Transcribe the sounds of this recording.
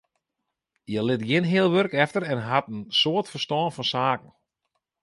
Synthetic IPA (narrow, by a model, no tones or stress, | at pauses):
jəlɪtɡɪnɦɪəlˠʋørkɛftərɛnɦatənsoətfərstɔːnfɔnsaːkən̩